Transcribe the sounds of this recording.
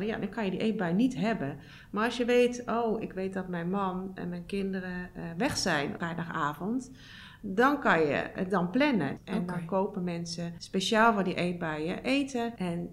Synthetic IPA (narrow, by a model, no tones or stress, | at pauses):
əja̰dɔnkɔnjədiʔet̚bɛjnitɦɛbə | maɔsjəʋeːtoːɪkʋeːt̚dɔtmɛjnmɔnɛ̰nmɛjnkɪndərəʋɛxsɛjnfrɛjdaxaːvənt | dɔnkɔnjə̰dɔnplɛnə̰ʔɛndɔnkoːpəmɛnsəspeʃaːlˠfɔdiʔeːt̚bajəʔeːtʰəʔɛn